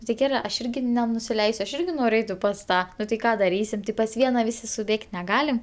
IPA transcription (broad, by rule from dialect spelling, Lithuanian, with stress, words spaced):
nʊ tʲɪ ˈɡʲæːrɜ ˈɐʃ ˈɪrʲɡʲɪ nʲɛnʊsʲɪˈlʲɛɪsʲʊ ɐʃ ˈɪrʲɡʲɪ ˈnoːrʲʊ ˈɛɪtʲɪ pɐs ˈtɑː ˈnʊ tɐɪ ˈkɑː dɐˈrʲiːsʲɪm tʲɪ pɐs ˈʋʲiɛnɐ ˈʋʲɪsʲɪ sʊˈbʲeːkʲtʲ nʲɛˈɡɑːlʲɪm